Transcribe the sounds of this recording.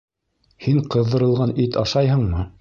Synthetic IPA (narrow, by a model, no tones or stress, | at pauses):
hiɴqɤ̆ðːɤ̆ɾɤ̆lˠʁɑnit̪ɑʃɑjhɤ̆ɴmɤ